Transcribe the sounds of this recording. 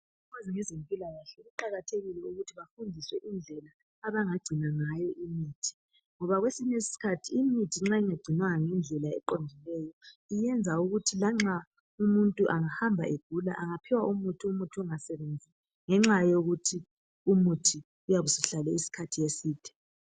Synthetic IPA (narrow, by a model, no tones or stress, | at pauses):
ukaziŋɛzempʼilajaɬɛɣuǃaɣatʰeɣilɛuɣutʰiβafundʱiswɛʔind͡ɮʱɛlaː | βaŋaɡ͡ǀʱinaŋajɔʔimiːtʰi̥ | ŋɔβaɣwesiɲesi̥si̥kʰatʰiimitʰiŋ͡ǁaiŋaɡ͡ǀ̥ʱinwaŋaŋɛnd͡ɮʱɛlaɛ̰ǃondʱilɛjɔijɛnd͡zʱauɣutʰilaŋ͡ǁa | umuntʼuʔaŋahambʱa̰ʔeɡ̥ʱula̰ʔaŋapʰiwaʔumutʰiumutʰuuŋasɛβend͡zʱiɛ | ŋɛŋ͡ǁajoɣutʰi | umutʰi | ujaβusiɬalɛisi̥kʰatʰijesiːd̥ʰʱɛ̥